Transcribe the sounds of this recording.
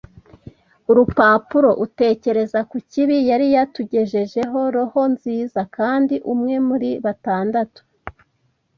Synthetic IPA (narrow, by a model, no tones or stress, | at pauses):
uɾupaːpuɾo̞ʔute̞ːce̞ɾe̞zakuciβijaɾijatuɟe̞ʒe̞ʒe̞ɦo̞ɾoho̞nziːzakaːndiʔumŋe̞muɾiβataːndatu̥